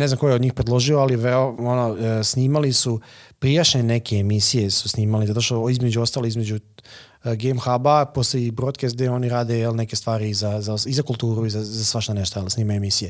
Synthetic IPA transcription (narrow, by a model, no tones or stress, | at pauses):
neznamko̞jeod̪ɲiːxpɾedlˠo̞ʒioaliʋeɾonosniːmalisupɾijaʃeenekeːmisije̞su̥sniːmalizat̪o̞ʃt̪oizme̞d͡ʑuo̞st̪aliizme̞d͡ʑu | ɡemxabapo̞seibɾot̪keesd̪eo̞niɾaːd̪e̞jelnekest̪ʋaːɾiizazasizakulˠt̪uːɾuizazasʋaʃt̪aneʃt̪ojelsniːmajuemisije